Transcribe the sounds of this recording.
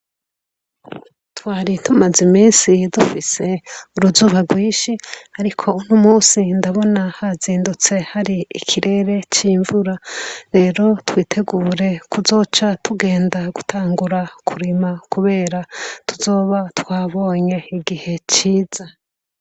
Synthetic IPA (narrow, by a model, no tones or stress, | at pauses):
twaːɾitumazimiːnsidufise̞uɾuzuːβaɡwiːʃiaɾikʰo̞unumuːsindaβo̞nahaziːndut͡se̞haɾiḭkʰiɾe̞ːɾe̞t͡ʃiːɱvuɾaɾe̞ːɾo̞twiːtʰe̞ɡuːɾe̞kuzo̞ːt͡ʃatuɡe̞ːndaɡutʰaːŋɡuɾakʰuɾimakuβe̞ːɾatuzo̞ːβatwaːβo̞ːɲe̞iɡihe̞t͡ʃiːz̥a